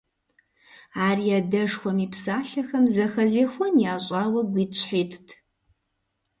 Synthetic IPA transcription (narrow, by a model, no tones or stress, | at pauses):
aːrijadɐʐxʷɔmiːpsaːɬɐxɐmzɐxɐzeːxʷɔnjaːɕʼaːwɐɡʷiːt͡ʃʰħiːtʰtʰ